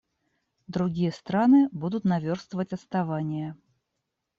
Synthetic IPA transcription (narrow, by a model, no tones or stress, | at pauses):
d̪ɾʊɡʲijəst̪ɾanɨbud̪ʊt̪nɐvʲorst̪vəvətʲɐt̪st̪ɐvanʲɪjə